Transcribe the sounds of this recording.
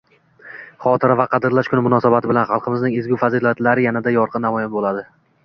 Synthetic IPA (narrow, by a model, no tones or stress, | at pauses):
χɒt̪ʰɪɾavaqʰɑd̪ɪɾlaʃkʰʊnɪmʊnɒsabat̪ʰɪbɪlanχɑlˠqʰɨmɪznɪŋezɡʲʊfazilat̪laɾɪjanad̪ajɒɾqʰɨnːamɒjɪmbolad̪ɪ